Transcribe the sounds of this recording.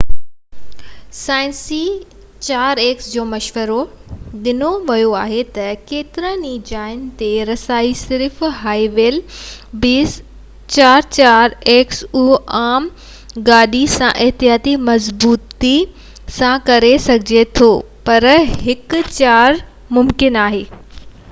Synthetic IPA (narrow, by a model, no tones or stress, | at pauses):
saːɪnsi | t͡ɕaːɾeːksd͡ʑoːmɐʃʋəɾoɗɪnoʋɐjoaːɦet̪ɐkeːt̪ɪɾə̃nid͡ʑaːɪnt̪eɾɐsaːisɪɾfɦaːiʋeːlbiːs | t͡ɕaːɾt͡ɕaːɾeːksuːaːm | ɡaːɗisãʔɪɦt̪ijaːt̪imɐzbuːt̪i | sãkɐɾesɐɡʱɪd͡ʑet̪ʰoː | pɐɾɦɪkʊt͡ɕaːɾ | mʊmkɪnaːɦeː